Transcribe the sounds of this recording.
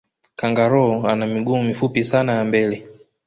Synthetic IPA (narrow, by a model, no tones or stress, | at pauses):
kaŋɡaɾɔanamiɠumifupisanajambɛlɛ